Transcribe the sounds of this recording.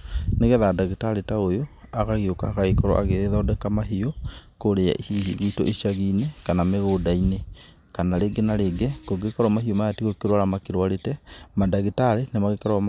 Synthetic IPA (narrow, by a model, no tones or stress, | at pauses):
neɣɛðadaɣitaɾetaojoaɣaɣioka̰ːkaekɔɾɔ̰ʔa̰ɣeeðaodɛkamaɦiokoɾea̰ʔihihiɣiːto̰ʔiʃaɣinekanameɣoːdaine | kanaɾeɡenaɾeɡɛkoɡekaɾwamaɦiomajatiɣokeɾwaɾamakeɾwaɾetɛmadaɣitaɾenemaɣekaɾɔ